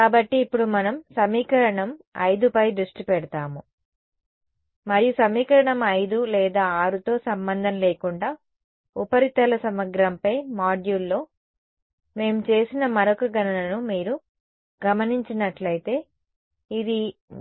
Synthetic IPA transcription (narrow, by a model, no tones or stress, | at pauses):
kaːbɐʈːiːpːuɽumɐnɐmsɐmiːkɐɾɐɳɐmɐ̰jd̪upɐjd̪ɾuʂʈipɛɽɐt̪aːmu | mɐɾijusɐmiːkɐɾɐɳɐmɐjd̪ulɛːd̪aːaːɾut̪o̞ːsɐmbɐnd̪ʱɐnleːkuɳɖaː | upɐɾit̪ɐlɐsɐmɐɡɾɐmpɐjmaːɖjulːo̞ː | me̞ːmut͡ʃe̞ːsinɐmɐɾɔkɐɡɐnɐlɐnumiːɾu | ɡɐmɐniɲt͡ʃinɐʈlɐjit̪e̞ː | id̪i